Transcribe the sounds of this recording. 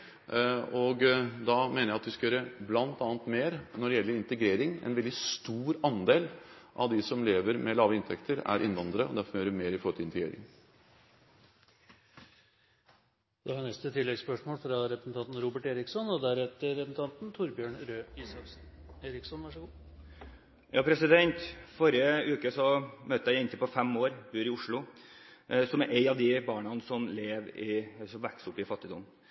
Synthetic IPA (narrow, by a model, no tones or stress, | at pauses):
ɔɡd̪ɑmeːnəjæɪɑt̪ʋɪskɑjøːɾəblɑnt̪ɑːnt̪meːɾnɔɖɛjɛlːəɾɪnt̪əɡɾeːɾɪŋɛ̰nʋɛld̪ɪst̪uːɾɑnd̪eːlʔɑ̰ʋd̪ɪsɔmleːʋəɾmɛlɑːʋəɪnt̪ʰɛkt̪ʰəɾæ̰ɾʔɪnʋɑnd̪ɾəɔ̰d̪æɾfɔmjøːɾʋɪmeːɾɪfɔɾət̪ʰɪɪnt̪əɡɾḛːɾɪ̰ŋ | d̪̥ɛhɑnɛst̪ət̪ʰɪlːɛɡspœʂmoːlfɾɑɾɛpɾsnt̪ʰɑnt̪n̩ɾuːbəʈeːɾɪksɔnɔd̪æɾɛt̪əɾɛsənt̪ɑnt̪nt̪ʰʊɾbjøːɳɾøːisɑfsn | eːɾɪksɔnʋæʂəɡuː | jɑːpʰɾɛsɪd̪ɛnt̪fɔɾɪəʉːkəsɔmøt̪ːəæɪɪnt̪əpɔfɛmoːɾbʉːɾɪʊʂɭʊ | sɔmæɾʔeɪɑʋd̪ɪbɑːɳɑnəsɔmleːʋɪsɔmʋæksɔpːɪfɑt̪ːɪd̪ʊm